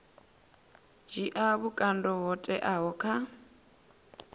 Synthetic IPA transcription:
d͡ʒiʔaβukʼandɔɦɔtʼɛʔaɦɔkʰa

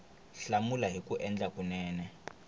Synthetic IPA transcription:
ɬamulaɦikʼuʔɛnd͡ɮakʼunɛːnɛ

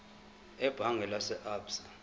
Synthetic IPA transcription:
ɛb̥ʱaŋɡʱɛlasɛʔaːbsḁ

